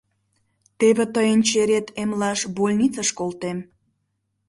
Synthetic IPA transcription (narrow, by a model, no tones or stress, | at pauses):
t̪eβet̪əjənt͡ɕeɾet̪emlɑʃbolʲnit͡səʃkolt̪em